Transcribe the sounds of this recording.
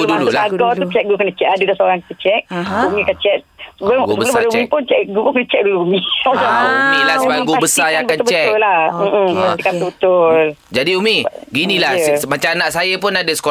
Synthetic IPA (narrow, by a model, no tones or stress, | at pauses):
udululaaɡɔt̪ut͡ʃɛʔ̚ɡukənət͡ʃɛʔadədasəoɾaŋki̥t̪ət͡ʃɛk̚umĩkant͡ʃɛt̪̚səbɡusəbəbəlbaləumĩpʊnt͡ʃɛʔɡupʊnkənət͡ʃɛʔ̚duluumĩaauumilasəbaaɡubəsajãakanbət͡ʃtɛllahm̩t̪ikat̪ubət̪ʊld͡ʒadiumĩɡinĩlamat͡ʃaanaʔsajap̬ʊnadəsə̥ko